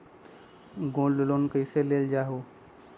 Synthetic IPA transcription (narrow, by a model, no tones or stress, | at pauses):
ɡõːllelonkəɪseleld͡ʒaːɦo